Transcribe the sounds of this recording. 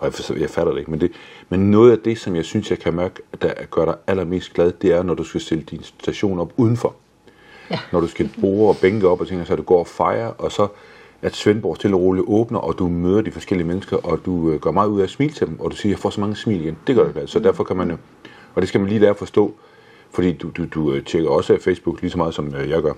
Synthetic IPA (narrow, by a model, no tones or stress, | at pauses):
sjɑ̈ɪfæɾɐde̝e̝ɡ̥mend̥e̝menːɔ̽ːð̩ˠæd̥e̝sɒ̽mjɑ̈ɪsynsjɑ̈ɪkʰæmæɐɡ̥əd̥ɑɡ̥ɶɐɾ̥ɑ̈ɪælɐme̝̰ːsd̥ɡ̥lɛð̞ˠd̥e̝æɐnɒd̥usɡ̥æsd̥eləd̥insd̥æɕo̝̰ːnɒ̽b̥uð̞ˠn̩fɒ̽ | nɒɾ̥usɡ̥æb̥o̝ːɐɒ̽b̥eŋɡ̥əɒ̽b̥ɒt͡sʰeŋɡ̥ɐsɒd̥uɡ̥ɒ̰ːɒfɑ̈ɪɐʔɒ̽sɒ̽ | æɐ̥sʋenb̥ɒ̰ːst͡sʰe̝lɒʁo̝liʔɔːb̥nɐʔɒ̽d̥umøːð̞ˠɐd̥ifɒ̽sɡ̥el̰iəmenəsɡ̥ɐʔɒ̽d̥uøɡ̥ɶɐmɑ̈ːð̩ˠuðˠæsmḭːlt͡sʰe̝d̥emɒ̽d̥usiːɐjɪfɒ̰ːsɒ̽mɑ̈ŋəsmḭːliɡ̥end̥e̝ɡ̥ɶɐɾ̥ɪɡ̥lɛðˠsɒ̽d̥æɐfɒ̽kʰæmænjo | ɒd̥e̝sɡ̥æmænliːlæːɐɒfɒ̽sd̥ɔ̰̽ː | fɒ̽d̥ḭ̥ːud̥ud̥ut͡ɕʰeɡ̥ɐɒ̽səæfeɪsb̥uɡ̥liːsɒmɑ̈ːðˠsɒ̽møjɑ̈ɪɡ̥ɶɐ